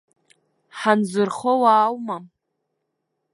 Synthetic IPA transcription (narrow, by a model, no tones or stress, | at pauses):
ħanzɨrχowaːwma